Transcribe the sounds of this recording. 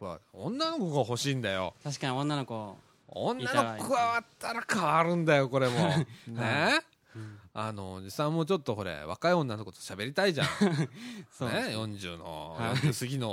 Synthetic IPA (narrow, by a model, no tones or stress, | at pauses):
koa̰õnːano̞koɣaho̞ɕiːnd̪ajo̞̰t̪aɕi̥kaɲiõnːanoko | õ̰nːanokkɯβaβat̪ʰːaɾakʰaβaɾɯ̟̃nd̪ajo̞ko̞ɾe̞mo̞ne | ano̞d͡ʑisãmːot͡ɕo̞t̪ːo̞ho̞ɾe̞̰βa̰kaiõ̞nːano̞ko̞t̪o̥ɕabe̞ɾʲit̪aiʑã | nejõ̞ɲd͡ʑɨ̰ːno̞̰õsɨɡʲino̞